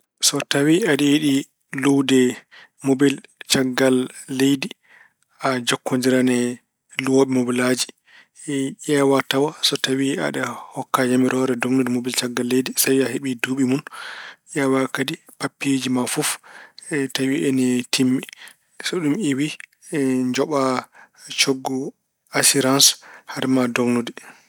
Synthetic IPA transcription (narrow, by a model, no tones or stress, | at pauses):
sɔtawiaɗɛjiɗi | lowdɛ | mobilt͡ʃaɡːalːejdi | ʔad͡ʒɔkːoɲd͡ʒiɾanɛ | lwoɓɛmobilad͡ʒi | ɛʔɛwatawasɔtawia̰ɗahɔkːad͡ʒamiɾʔɔɾɛdoŋnudimobilt͡ʃaɡːalːedisawiaheɓiduːɓimunʔɛwakadipapːed͡ʒimafuf | tawiʔɛnitʰimːɛ | sɔɗumiwi | d͡ʒɔɓa | t͡ʃoɡːɔ | asiɾanshaɾmadoŋnudi